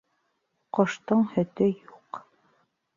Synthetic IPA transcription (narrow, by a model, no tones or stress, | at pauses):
qɒʃt̪ɤɴhɵ̆t̪ɘjuq